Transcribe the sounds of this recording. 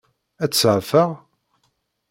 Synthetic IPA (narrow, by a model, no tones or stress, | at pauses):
æt͡sːəʕfəʁ